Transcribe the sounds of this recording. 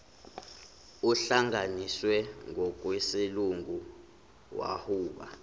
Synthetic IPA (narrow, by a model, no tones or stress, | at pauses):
uɬaŋaniswɛŋʱɔkʼwesiluŋʱu | wa̰huːɓa̰